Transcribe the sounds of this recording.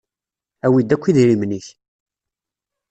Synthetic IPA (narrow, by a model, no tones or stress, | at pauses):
æwid̪ækʷːiðiɾimniç